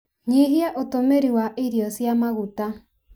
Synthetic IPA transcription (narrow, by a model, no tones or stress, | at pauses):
ɲiɦiaʔotomeɾiwaʔiɾiɔsjamaɣuta